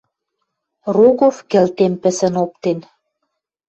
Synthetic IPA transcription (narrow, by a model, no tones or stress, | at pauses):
ruɣofkĕlt̪empə̆sə̆nop̚t̪en